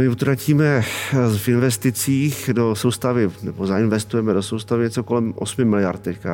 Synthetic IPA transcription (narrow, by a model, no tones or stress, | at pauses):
mɪut̪ɾaciːmɛfɪnvɛst̪ɪt͡siːxdosowst̪avɪnɛbozaɪnvɛst̪ujɛmɛdosowst̪avɪɲɛt͡soko̞lɛmʔo̰smɪmɪlɪja̰ɾt̪̚t̪ːɛcka